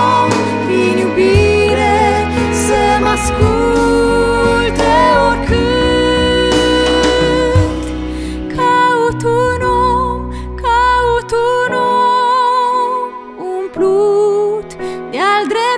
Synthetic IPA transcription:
viɲubiɾe | semasku | t̪eoɾkʰɨ | t̪ | kʰaut̪uno | kʰaut̪uno | ũplut̪d̪ɪald̪ɾe

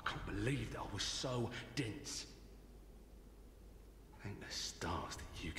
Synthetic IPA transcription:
ɪkʰɑ̃ˑnb̥ɪlivðəɾa̰ɪwʌz̥səʊd̥ɛ̃ns | θɛ̃ɪ̃nəstɑ̰ˑsɨkʰ

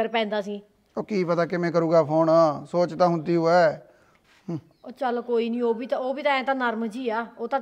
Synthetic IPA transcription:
əɾpɛ̃ːnd̪aːsĩː | oːkiːpət̪aːkemɛ̃ːk̬əɾũːɡaːpʰoːnaːsoːt͡ʃt̪ãːɦʊ̃nd̪iːɦoːɛː | t͡ʃəlkoːiːnĩːoːbiːt̪ãoːbiːt̪ãːɛ̃ːt̪ãːnəɾmd͡ʒiːaːoːt̪ãː

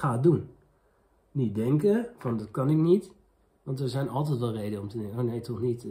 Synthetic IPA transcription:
aːdun | nit̚dɪŋkəfɑndɑtkɑnɪk̚nit | ʋɑntəzɛjnɑlˠtɛjtʋɛlˠrejdəɔmtəonejtʰɔxnit

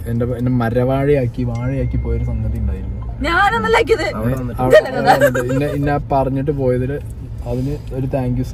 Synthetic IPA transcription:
endeenːemɐɾɐʋaːɻijaːkːiʋaːɻijaːkːipːoːjoɾusɐŋɡɐt̪ːijuɳɖaːjiɾunːu | ɲaːaːnɐnːɐlːaːk̬ʲːiɐðɨɐeɐʋɐɳɨinːeinːapɐrɐɲːiʈ̬ːɨpo̞ːjɐðilɨ | ɐðinɨ | o̞ɾut̪aːŋkjus

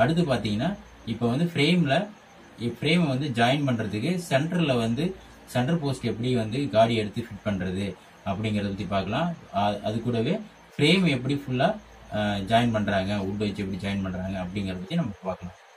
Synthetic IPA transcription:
ɐɽɯt̪̬ːɯpaːɾt̪iːŋɡɐnːaː | ɪpːoːʋɐnd̪ɯfɪɾeːmlɐ | ɪfɪɾeːmʋɐnd̪ɯd͡ʒɐːjɪnpɐɳːɾɐðɯkːɯsɛɳʈɐɾɪlɐʋɐnd̪ɯ | sɛɳɖɐɾpoːsʈɛp̬ːɐɽiʋɐnd̪ɯɡaːɽiɛɽɯt̪ːɯfɪʈ̚pɐɳɾɐðɯ | ɐpːɐɽɪŋɡɐɾɐðɐp̬ɐt̪ːipaːɾkɐlãːɐðɯkːuːɽɐʋeː | fɾeːmɛpːɐɽifʊɭːaː | d͡ʒaːɪnpɐɳːɾaːŋɡɐʊɽbɐʋɐt͡ʃːɯɛpːɐɽid͡ʒaːɪnpɐɳːɾaːŋɡɐːpːɐɽɪŋɡɐɾɐðɐp̬ɐt̪ːinɐmːɐpaːɾkɐlãː

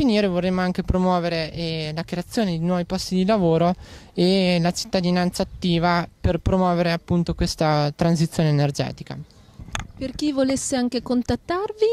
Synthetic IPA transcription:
finiːɾevorːemːoaŋk̟epɾomwɔːveɾelakɾeat̪sːjoːned̪enwɔːvipɔst̪id̪ilavoːɾoelat͡ʃi̥t̪ːad̪inant̪saːt̪ːiːvaperpɾomwɔːveɾeapːunt̪okwest̪at̪ɾans̬it̪sːjoːneːnerd͡ʒɛ̰ːt̪i̥ka̰ | perkivolesːeaŋkekont̪at̪ːarvi

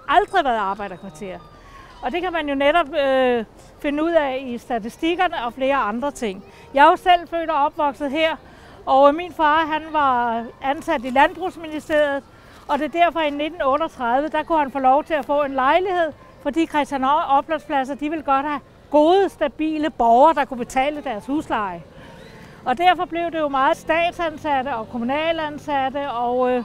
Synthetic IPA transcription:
ɑ̈ld̥ʁiʋæːɐð̩ˠɑ̈ːb̥ɑ̈ɪ̰ɾ̥ɐkʰʋɑ̈t͡sʰe̝̰ːɐðˠ | ɒ̽d̥e̝kʰæmænjo̝neɾɒ̽b̥̚ | fe̝nəuð̰ˠɛisd̥æt͡sʰisd̥iɡ̥ɐnəɒ̽fle̝ːɐɑ̈nd̥ʁɐt͡sʰe̝ŋ̰ | jɑ̈ɪosel̰fø̰ːɾɐɒ̽b̥ʋɒ̽ɡ̥sð̞̩ˠɦeɐ̰ | ɒʊminfɑ̈ːɦænʋɑ̈ænsæd̥ilænb̥ʁṵsminisd̥e̝ɐ̰ð̩ˠ | ɒ̽d̥e̝d̥æɐ̰fɒ̽inːe̝d̥n̩ɔ̽ːɾɒt͡sʰʁɑðˠʋəd̥ɑ̈kuhænfɔːlɒʊt͡sʰe̝æfɔ̰̽ːe̝nlɑ̈ɪlihe̝ð̞̰ˠ | fɒ̽d̥ḭːkʰʁɛsd̥jænɒ̽b̥læspʰlæsɐd̥iʋe̝lɡ̥ɒ̽d̥hæ | ɡ̥o̝ːðˠəsd̥æb̥ḭːləb̥ɒʊɐd̥ɑ̈kʰub̥e̝t͡sʰɛ̰ːləd̥æɐshuslɑ̈ɪ | ɒ̽d̥æɐfɒ̽b̥le̝ʊde̝jo̝mɑ̈ːð̩ˠsd̥ɛ̰ːd̥sænsæd̥əɒ̽kʰo̝munɛ̰ːlænsæd̥əɒ̽ʊ

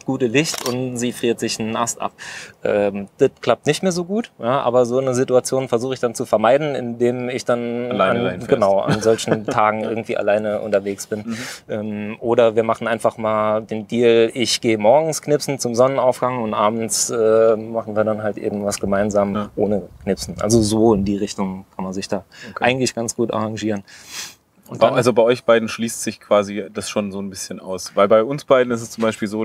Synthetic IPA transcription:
ɡ̥uːtəlɪçtʊntz̥iːfʁ̥iːɐtz̥ɪçnəʔastʔa̰p̚ʔɛːmd̥ətkl̥ap̚tnɪçtmeːɐzoːɡuːtjaːʔa̰ːbɐzoːnəzituat͡sjoːnfɛɐzuːχəɪçd̥ant͡sufɛɐmaɪdn̩ɪ̰ndeːmɪçd̥ana̰nɡ̥ənaʊʔa̰nzɔlçn̩tʰaːɡŋ̩ʔɪɐɡŋ̩tv̥ḭːa̰laɪnəʔʊ̰ntɐveːksb̥ɪnʔɛːmʔoːɾɐviːɐmaχn̩ʔaɪnfaχmaːldeːndiːlɪçɡ̥eːəmɔɐɡŋ̩skʰnɪpsn̩t͡sʊmzɔnənaʊfɡ̥aŋʊntʔaːbn̩t͡sʔɛːmaχn̩viːɐɾanɦaltʔḛːbm̩vasɡ̥əmaɪnzaːmʔoːnəkʰnɪpsn̩ʔa̰lzozoːɪndiːʁ̞ɪçtʊŋkʰanmanzɪçd̥aːʔaɪɡŋ̩tlɪçɡ̥ant͡sɡ̥uːtʔa̰ʁaŋʒiːʁən | ʔʊntbaʔalzobaɪʔɔʏçb̥aɪdn̩ʃliːstz̥ɪçkv̥aːzid̥asʃoːnzoːnbɪsçəna̰ʊsvaɪlbaɪʔʊnsb̥aɪdn̩ɪstɛst͡sʊmbaɪʃpiːlzoː

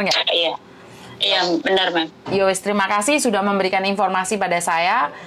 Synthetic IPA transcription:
rŋaija | jabənərmamjawɛst̪ɾimakasɪhsudahməmbəɾikaninfɔrmasipadasaja

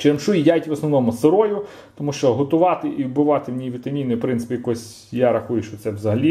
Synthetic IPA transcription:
t͡ʃɪɐmʃujidʲajtʲʋɔsnɔʋnɔmʊseɾɔjʊ | t̪ɔmuʃt͡ʃɔɦɔt̪ʊʋɑt̪ɪʔibʊʋɑt̪ɪwnʲijiʋʲit̪ɐmʲinɔjpɾɪnsɪ̥pʲijɐkɔsʲ | jaɾɐxujʊʃt͡ʃɔt̪sɛʋzɐɦɐlʲi

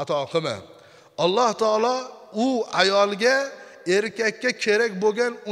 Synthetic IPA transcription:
at̪ʰɒqʰɨma̰ | ɒlˠːɒht̪ʰɑːlˠɒʊajɒlˠɡʲae̞ɾkʲakʲːakʲʰe̞ɾakʲboɡʲanʊ

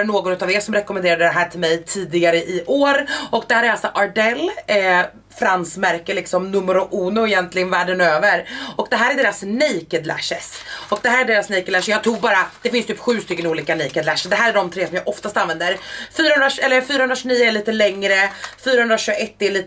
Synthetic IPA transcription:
ɳoːɡɔnɵʉ̟t̪aveːsɔmɾɛkɔmɛneːɾad̪əd̪ɛɦæːʈʰɪlmɛjt̪ʰiːd̪ɪɡaɾəʔɪʔoːɾɔkd̪ɛhæːɾæɾalsɔʔaɖɛlː | fɾansmæɾkəlɪksɔmnɵmːəɾʊʔuːnʊɛjɛnt̪ʰlɪɡənvæːɖənøːvəɾɔkd̪ɛɦæːɾæɖeːɾasnɛjkəd̪læ̰ʂəsɔk̚d̪ɛɦæːɾæɖeːɾasnɛjkəd̪læʂjɑːɡt̪ʰuːɡbɑːɾad̪̥ɛfɪnst̪ʰyːpɧʉ̟ːst̪ʏkːənuːliːkanɛjkəd̪læʂɖ̪ɛɦæːɾæɖɔmt̪ʰɾeːsɔmjɑːʔɔft̪ast̪anvɛnd̪əɾfyːɾaɵnɾaɛlːəɾfyːɾahɵnɾaɕɵniːəɛɭiːt̪əlɛŋɾəfyːɾahɵnd̪ɾaɕɵɡɛt̪ːɛɭiːt̪

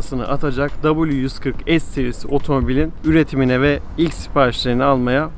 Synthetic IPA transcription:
sɯnɯ̰ʔat̪ʰad͡ʒakd̪abulʲˠjyzkʰɯɾkɛsːeɾisiʔo̞t̪ʰo̞mo̞bilʲinyɾet̪ʰiminɛvɛ | ilʲcʲsi̥paːɾiʃlˠɯɾɯnialˠmaja

